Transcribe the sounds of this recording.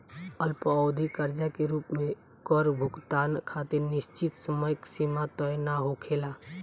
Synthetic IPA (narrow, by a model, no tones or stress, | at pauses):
əlpəod̪ʱikəɾd͡ʒakeɾuːpmẽ | kɔɾbʱʊɡt̪aːnkʰat̪eɾnɪst͡ʃɪt̪səməjksimat̪ɔjnaɦokʰeːla